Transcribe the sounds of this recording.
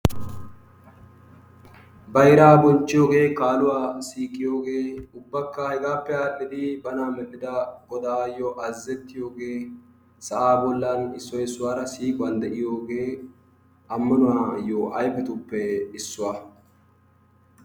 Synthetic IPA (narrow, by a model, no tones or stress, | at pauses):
bɐjɾaːbɔnt͡ʃːɪjo̞ːɡe̞ːkaːlʊwaːsiːkʼːɪjo̞ːɡe̞ːʊbːɐkːɐhɛɡaːpːɛaːɗɪd̪ɪbɐnaːmɛᶑɪd̪ɐɡɔd̪aːjɔʔɐzːɛt̪ːɪjo̞ːɡe̞ː | sɐʔaːbɔlːɐnɪsːɔjsʊwaːɾɐsiːkʼʊwɐnd̪ɛʔɪjo̞ːɡe̞ː | ɐmːɐnʊwaːjoʔɐjfɛt̪ʊpːɛɪsːʊwaː